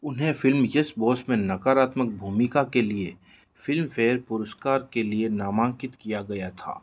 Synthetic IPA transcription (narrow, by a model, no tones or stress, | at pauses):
ʊnɦẽfɪlmjɐsbɔːsmẽnɐkaːɾaːt̪mək̚bʱuːmɪkakelie | fɪlmfeːɾpʊɾəskaːɾkelienaːmãːŋkɪt̪kijaɡɐjat̪ʰa̰ː